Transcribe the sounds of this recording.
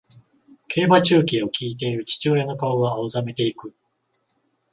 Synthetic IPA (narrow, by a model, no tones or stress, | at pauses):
kʰe̞ːbat͡ɕɨːkʲio̞kʲiːt̪̬e̞iɾɯ̟t͡ɕi̥t͡ɕɨoɾeno̞kaoɡaaɯzame̞t̪e̞ikɯ̟